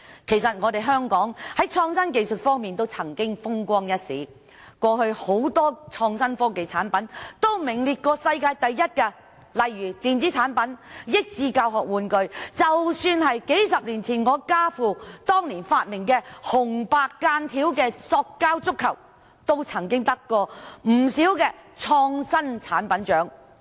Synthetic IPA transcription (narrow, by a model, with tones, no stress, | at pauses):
kʰe˨˩jsɐ˨t̚ŋɔː˨˧t̪e˨jɦœː˥ŋkɔː˨˥ŋhɐ˨˥jt͡sʰɔː˧ŋsɐ˥nk̬e˨jsɵ˨t̚fɔː˥ŋmiː˨nt̪o˥wt͡sʰɐ˨˩ŋkɪ˥ŋfʊ˥ŋkʷɔː˥ŋjɐ˥t̚sḭː˨˥ | kʷɔː˧hɵ˧ho˨˥wt̪ɔː˥t͡sʰɔː˧ŋsɐ˥nfɔː˥ke˨jt͡sʰaː˨˥npɐ˨˥nt̪o˥wmɪ˨˩ŋliː˨t̚kɔː˧sɐ˧jkaː˧jt̪ɐ˨jːɐ˥t̚kɛ˧ | lɐ˨jːyː˨˩t̪iː˨nt͡si˨˥t͡sʰaː˨˥npɐ˨˥njɪ˥k̚t͡siː˧kaː˧wɦɔː˨k̚wuː˨˧nkɵ˧ɥt͡sɐ˨wsyː˧nɦɐ˨jke˨˥jsɐ˨p̚liː˨˩nt͡sʰiː˨˩nŋɔː˨˧kaː˥fuː˨t̪ɔː˥ŋliː˨˩nfaː˧t̚mɪ˨˩ŋkɛː˧hʊ˨˩ŋpaː˧kːaː˧nt̪ʰiː˨˥wkɛː˧sɔː˧kːaː˥wt͡sʊ˥kʰːɐ˨˩w | t̪o˥wt͡sʰɐ˨˩ŋkɪ˥ŋt̪ɐ˥kːɔː˧m̩˨˩siː˨˥wkɛː˧t͡sʰɔː˧ŋsɐ˥nt͡sʰaː˨˥npɐ˨˥nt͡ʃœː˨˥ŋ